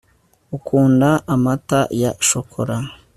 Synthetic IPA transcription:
ukʰuːndaʔːmata̰jaʃokʰoɾa

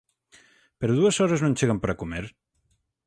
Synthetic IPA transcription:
peɾoðuɐsɔɾeznõnt͡ʃeɣɐmpəɾakumeɾ

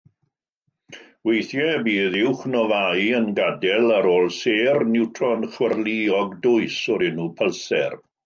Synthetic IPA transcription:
wejθjɛbiːðɪwχnɔvajənɡadɛlaɾoːlˠseːrnɪwtʰrɔənχwərliɔɡdʊɨsɔɾɪnupʰəlˠsɛ̰r

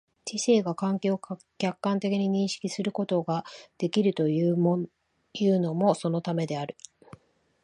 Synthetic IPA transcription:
t͡ɕise̞ːɡakãŋke̞ːo | kʲakːãnt̪e̞kʲiɲ̟iɲ̟ĩɰ̃ɕi̥kʲisɨɾɯ̟ko̞t̪o̞ɡad̪̥e̞kʲiɾɯ̟t̪o̞jɯ | jɯ̟ːno̞mo̞so̞no̞t̪ame̞d̪e̞aɾɯ̟

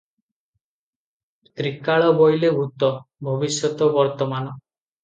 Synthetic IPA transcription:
t̪ɾikaɭɔbɔjlebʱut̪ɔbʱɔbisjɔt̪ɔbɔɾt̪ɔmanɔ

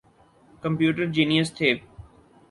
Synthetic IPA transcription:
kəmpjuːʈəɾd͡ʑiːnijəst̪ʰeː

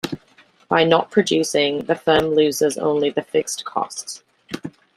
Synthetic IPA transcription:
b̥aɪnəʔ̚pʰɹ̥əd͡ʒʉˑsɪ̃ŋðəfɜːmlʉːzɪzə̰̃ʊ̃nliðəfɪkskʰɒ̰sts

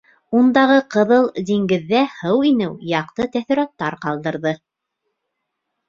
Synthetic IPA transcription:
und̪ɑʁɤqɤ̆ðɤlˠd̪iŋɡɘ̆ðːæhɤwinɘwjɑqt̪ɤt̪æθĭɾɑt̪ːɑɾqɑlˠd̪ɤ̆ɾðɤ

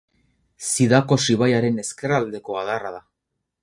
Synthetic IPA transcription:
siðako̞siβajaɾe̞ne̞ske̞rald̪e̞ko̞aðaraða

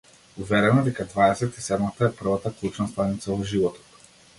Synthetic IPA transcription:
uvɛɾɛnɔd̪ɛkad̪vaɛsɛt̪isɛd̪mat̪aɛpr̩vat̪aklˠut͡ʃnast̪anit̪savɔʒivɔt̪ɔ̥t̪

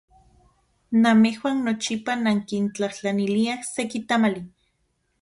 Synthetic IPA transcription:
namehwannot͡ʃipanaŋkint͡ɬaht͡ɬaniliahsekit̪amali

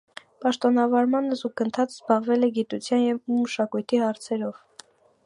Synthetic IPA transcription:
pɑʃt̪ɔnɑvɑɾmɑnəzuɡənt̪ʰɑt͡szbɑʁvɛlɛɡit̪ut͡sʰjɑnjɛvuməʃɑkujt̪ʰihɑɾt͡sʰɛɾɔv

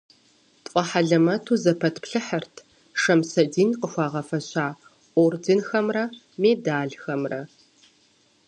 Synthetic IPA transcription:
tʷʼɐħaɮɐmɐtʰuːzɐpʰɐtʰpɬɨħərtʰ | ʂɐmsɐdiːnqəxʷɑːʁɐfɐɕaː | oːrdɪnxɐmrɐ | meːdaːɮxɐmrɐ̰

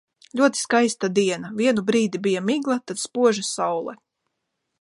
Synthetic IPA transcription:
lʲuɔt̪i̥skajst̪ad̪iɛnavʲiɛnubɾiːd̪ibijamiɡlˠat̪at̪spuɔʒasawlˠɛ̰

